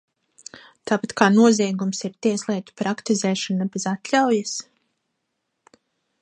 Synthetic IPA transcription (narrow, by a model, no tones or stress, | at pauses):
t̪aːpat̪kaːnuɔzʲiɛɡumsiɾt̪iɛslˠɛːt̪u̥pɾakt̪izɛːʃɔnabezat̪lʲawjas